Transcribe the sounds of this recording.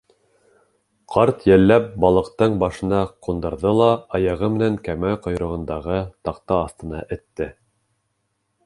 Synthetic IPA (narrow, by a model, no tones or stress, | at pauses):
qʰɑɾt̪jælːæp̚bɑlˠɤ̆qt̪ɤɴbɑʃɤ̆nɑqund̪ɤ̆ɾðɤlˠɑɑjɑʁɤmɘ̆næŋkæmæqŏjɾɤ̆ʁɤ̆nd̪ɑʁɤt̪ɑqt̪ɑːst̪ɤ̆nɑʔɘ̆t̪ːɘ